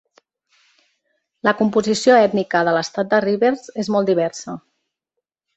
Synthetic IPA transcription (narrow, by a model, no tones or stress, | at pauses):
ləkumpuzisioɛt̪nikəðələst̪at̪̚d̪əriβeɾz̥ezmɔlˠd̪iβɛɾsə